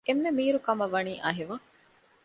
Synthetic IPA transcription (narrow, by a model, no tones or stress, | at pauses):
emːemiːɾukɐmɐʋɐniːʔɐɦiʋɐ